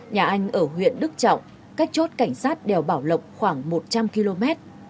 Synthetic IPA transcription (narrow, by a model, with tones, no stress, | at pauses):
ɲaː˨˩ʔa˧jŋ̟ʔəː˧˩ɦwḭ˧˨ənɗɨ˦˥k̚t͡ɕɔ̰˧˨wŋ͡m | kaː˦˥k̚t͡ɕo˦˥t̚ka˧˩jŋ̟saː˦˥t̚ɗɛ˨˩wɓaː˧˩wlə̰˨˩wk͡p̚xwaː˧˩ŋmo˨˩t̚t͡ɕa˧mki˧lo˧mɛ˦˥t̚